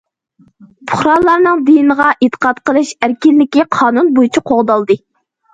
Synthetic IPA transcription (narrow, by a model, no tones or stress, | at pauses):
pʰʊ̥χɾɑnlˠɑɾnɨŋd̪ijnəʁɑʔit̪ʰə̥qɑt̪qəlˠɨʃæɾkʲilːɪkʲiqʰɑːnunbojt͡ʃʰiqʰoʁd̪ɑlˠd̪ɨ